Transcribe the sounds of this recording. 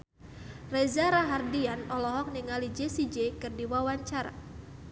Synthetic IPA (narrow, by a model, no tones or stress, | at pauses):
rɛzaɾaɦardianɔlɔɦɔk̚niŋalid͡ʒesid͡ʒɛkɨrdiwawaɲt͡ʃaɾa̰